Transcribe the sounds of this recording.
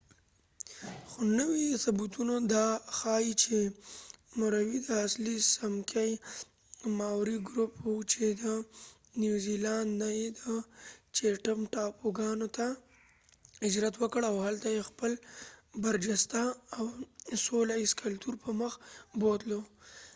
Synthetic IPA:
xonəwisabut̪unod̪ɑxɑjit͡ʃe | moɾawid̪əaslisamkʰaj | mɑwɾiɡɾuput͡ʃed̪ə | njuziland̪najed̪ət͡ʃeʈamʈɑpʰoɡɑnot̪a | ɪd͡ʒɾat̪wəkəɽawhalt̪ajexpəlbaɾd͡ʒast̪aːwsolaɪskalt̪uɾpəməxbod̪lo

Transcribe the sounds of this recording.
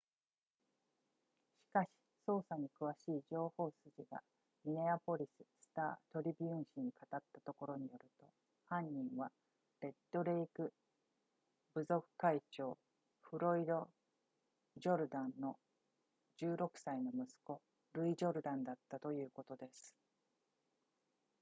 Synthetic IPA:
ɕi̥kaɕi̥so̞ːsaɲ̟ikɯ̟βaɕiːd͡ʑo̞ːho̞ːsɨʑiɡa̰ | mʲine̞apo̞ɾʲisɨ̥sɨ̥t̪a̰ːt̪o̞ɾʲibʲiɯ̟̃ɰ̃ɕiɲ̟ikat̪at̪ːat̪o̞ko̞ɾo̞ɲ̟ijo̞ɾɯ̟t̪o̞ | hãɲ̟ːĩɰ̃βa | ɾe̞t̪ːo̞ɾe̞ikɯ̟ | bɯ̟zo̞kɯ̟̥kait͡ɕo̞ː | ɸɯ̟ɾo̞id̪o̞ | ʑo̞ɾɯ̟d̪ãnno̞ | d͡ʑɨːɾo̞kɯ̟̥saino̞mɯ̟sɨ̥ko̞ | ɾɯ̟iʑo̞ɾɯ̟d̪ãnd̪at̪ːat̪o̞jɯ̟ːko̞t̪o̞d̪e̞sɨ̥

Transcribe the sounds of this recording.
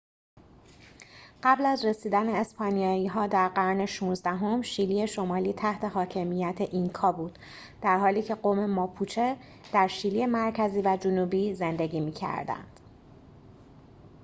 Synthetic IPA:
ɢ̥æblæzre̞siːd̪æne̞ːspɒːnijɒːiːɦɒːd̪æɾɢæɾne̞ʃuːnzd̪æɦo̞mʃiːliːe̞ʃo̞mɒːliːt̪ʰæht̪ʰe̞ɦɒːcʰe̞mijæt̪ʰe̞ʔiŋkʰɒːbuːd̪̥ | d̪̥æɾɦɒːliːcʰe̞ɢoːme̞mɒːpʰut͡ʃʰe | d̪̥æɾʃiliemæɾcʰæziːvæd͡ʒonuːbiːze̞nd̪e̞ɟiːmiːcʰæ̰ɾd̪æ̰nd̪̥

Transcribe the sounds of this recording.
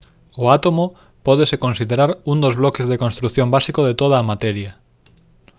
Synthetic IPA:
ʊat̪omo | pɔð̞esekonsiðeɾaɾund̪ozβlɔkezðekonst̪ɾuθjombasikoð̞et̪oð̞aːmat̪ɛɾjɐ

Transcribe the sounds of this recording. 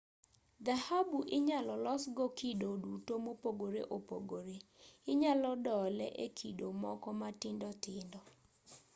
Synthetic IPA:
d̪ahabuʔɪɲalɔlɔsɡɔkidodutomopoɡoɾḛʔopo̰ɡoɾeɪɲalɔdɔlɛʔekʰidomɔkɔmatɪndɔtɪndɔ

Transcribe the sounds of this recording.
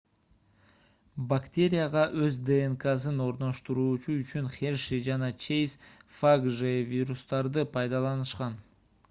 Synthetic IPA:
bakt̪ʲe̞ɾʲɪjaʁɑʔøzd̪eːŋkas̬ɯno̞ɾno̞ʃt̪uɾuːt͡ʃuyt͡ʃynχʲeɾʃid͡ʒɑnɑt͡ʃʰejsfaɡʒevʲiɾust̪ɑɾd̪ɯpʰɑjd̪ɑlˠɑnɯʃqɑn

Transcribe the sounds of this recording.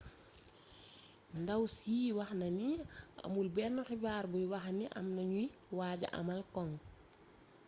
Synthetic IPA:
ndɐwsiːwɐxnɐniɐ̰mulbɛrnɔxibaːɾbujwɐxniʔɐ̰mnɐɲujwaːɟɐ̰ʔɐ̰mɐlkɔŋ

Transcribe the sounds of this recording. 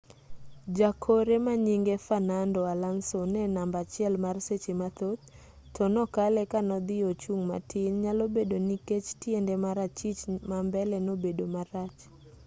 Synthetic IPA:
d͡ʒakʰoɾemaɲiŋɡefanandɔalansonɛnambat͡ʃɪɛlmarset͡ʃemat̪ot̪̚ːʰ | ɔnɔkalɛkanɔd̪ɪot͡ʃuŋma̰tʰɪnɲalobedoniket͡ʃtjendɛmaɾat͡ʃit͡ʃmambɛlɛnobedomaɾat͡ʃ

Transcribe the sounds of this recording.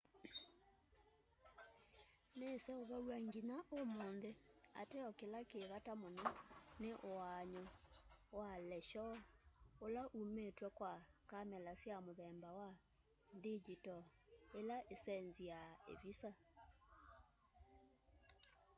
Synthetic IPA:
nesɛoβaɣwaŋɡinaʔomoːnðea̰tɛɔkelakeβatamonɔneʔowaɲɔwalɛʃɔ | olaʔumetwɛkwakamɛlasjamoðɛmbawa | ndid͡ʒitɔelaʔesɛnzijaḛvisa

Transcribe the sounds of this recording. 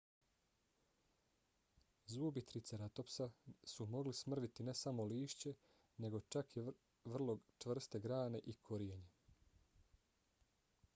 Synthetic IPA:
zubit̪ɾit̪seɾat̪o̞psasumo̞ɡlismr̩ʋit̪ine̞samo̞liːʃt͡ɕe̞ | ne̞ɡo̞t͡ʃaki | ʋr̩lˠo̞ɡt͡ʃʋr̩st̪e̞ɡɾaːne̞ʔikʰoɾijeɲe

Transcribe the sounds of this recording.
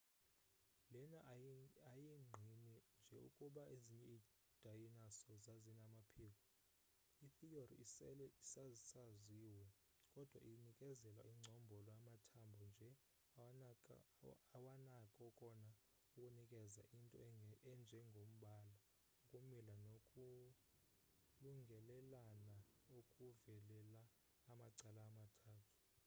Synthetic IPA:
lɛnaajiŋ͡ǀʱinind͡ʒʱɛṵkʼuɓaeziɲɛi | d̥ʱajinasɔzazinamapʰiːk̬ʼɔ | iθiorḭisazsaziwɛ | kʼɔd̥ʱwa̰ʔinikʼɛzɛlwa̰iŋ͡ǀʱɔmbʱɔlɔjamatʰambʱɔnd͡ʒʱɛ | wanakʼɔkʼɔna | ukʼunikʼɛzaʔintʼɔ̰ɛnd͡ʒʱɛŋɡʱom̩ɓaːla | ukʼumilanokʼu | luŋɡʱɛlɛlanaokʼuvɛlɛlaː | maǀalaːmatʰaːtʰu̥

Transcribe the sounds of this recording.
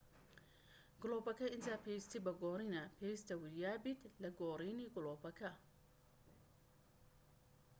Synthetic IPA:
ɡʊlɔːbɐkʰɐɪnt̪ʰapʰɛst̪ʰɪbɐɡɔːɾɪnɐpʰɛst̪ʰɐwɪjaːbɪd̪lɐɡɔːɾɛnɪɡʊlɔːbɐkʰɐ

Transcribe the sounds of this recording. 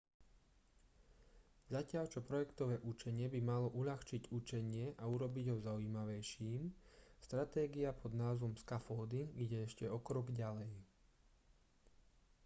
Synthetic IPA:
zacɪaʎt͡ʃɔpɾɔjɛkt̪ɔʋɛːʔut͡ʃɛɲɪɛbimalɔʔuʎaxt͡ʃiɟut͡ʃɛɲɪɛʔauɾɔbiɟɦɔzauiːmaʋɛjʃiːmst̪ɾat̪ɛːɡiapʰɔd̪naːzʋɔmskafɔːd̪iɡɟɛɛʃcɛɔkɾɔɡɟalɛj

